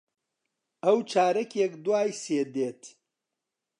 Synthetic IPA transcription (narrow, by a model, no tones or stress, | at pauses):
ɐwt͡ʃʰaːɾɐkekd̪waːjseːd̪eːt̪